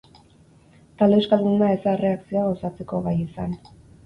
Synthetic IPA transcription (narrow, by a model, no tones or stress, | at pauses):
t̪ald̪ewskalund̪aesare̞aksio̞aɣosat͡se̞ko̞βajisan